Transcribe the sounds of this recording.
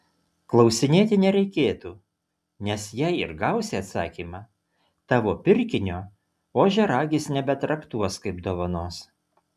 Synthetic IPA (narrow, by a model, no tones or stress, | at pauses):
klˠɒʊsʲɪnʲeːt̪ʲɪnʲɛɾʲɛɪkʲeːt̪uː | nʲɛsjɛɪɪ̰ɾɡɑˑʊsʲeɐt̪sɑ̰ːkʲiːmɑ | t̪ɑːʋoːpʲɪɾʲkʲɪnʲoː | oːʒʲɛɾɑːɡʲɪsnʲɛbʲɛt̪ɾɐkt̪uɔskɐɪpd̪oːʋɐnoːs